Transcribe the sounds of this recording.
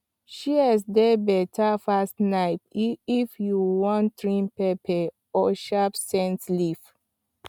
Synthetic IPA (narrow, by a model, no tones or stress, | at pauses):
ʃiɛsdebɛtʰafastnaɪtifjuwɔ̃ntɹĩnpɛpʰɛ | ɔʃapsɛ̃nslif